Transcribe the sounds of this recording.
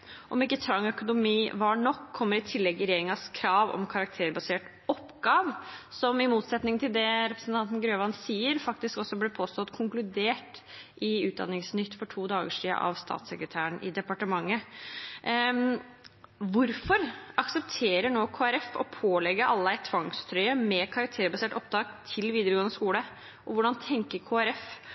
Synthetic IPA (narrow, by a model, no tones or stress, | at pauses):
ʔɔmɪkːət̪ʰɾɑŋːœkʊnʊmiːʋɑɳɔkʰːɔmːəɾɪt̪ʰɪlːɛɡɪɾɛjeːɾɪŋɑskʰɾɑːʋɔ̰mkʰɑɾɑk̚t̪ʰeːɾbɑseːʈ | ɔpːɡɑːʋsɔmɪmuːt̪sɛt̪nɪŋt̪ʰɪld̪ɛɾɛpɾəsn̩t̪ʰɑnt̪n̩ɡɾøːʋɑnsiːəɾfɑk̚t̪ɪskɔsːɔblɪpʰoːst̪ɔt̪kʰʊŋklʉd̪eːʈʔɪʉːt̪̚d̪ɑ̰nːɪŋsnʏt̪ːfɔʈʰuːd̪ɑːɡəʂḭːʔɑ̰ʋst̪ʰɑ̰ːt̪səkɾət̪ʰæːəɳʔɪ̰d̪ɛpɑʈəmɑŋːə | ʋʊɾfɔɾɑksəpt̪ʰeːɾəɳoːkʰoːæɾɛfɔ̰pʰoːlɛɡəɾʔɑlːəæɪt̪ʰːʋɑŋst̪ʰɾœʏəmɛkʰɑɾɑk̚t̪ʰeːɾəbɑseːʈɔp̚d̪ɑːɡt̪ʰɪlʋiːd̪əɾəɡoːənəskuːlə | ʔɔʋʊɖɑnt̪ʰɛŋkəɾkʰoːæɾɛf